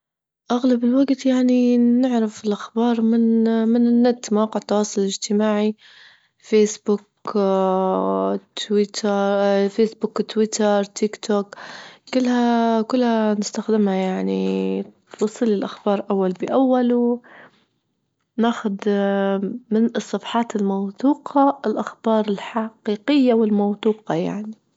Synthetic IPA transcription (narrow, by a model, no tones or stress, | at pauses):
ʔaɣlabɪlwaɡt̪jaʕninɪʕɾɪfɪlʔaxbɑːɾˤmɪnmɪnɪnːat̪ːmawɑːqɪʕt̪ːɑwɑːsˤʊlɪd͡ʒt̪ɪmaːʕi | feːsbʊk | t̪wɪt̪ | feːsbʊkt̪wɪt̪ɑɾˤt̪ʰɪkt̪ʰoːkkɪlːhakʊlːhanɪst̪axd̪ɪmhajaʕni | wɑsˤːɨlːɪlʔaxbɑːɾˤʔawːalbɪʔawːalu | naːxʊd̪ | mɪnɨsˤːɑfħɑːt̪ɪlmawθuːqʰɑɪlʔaxb̥ɑːɾˤɪlħaqiːqɪjːawɪlmawt̪ˤuːqɑja̰ʕni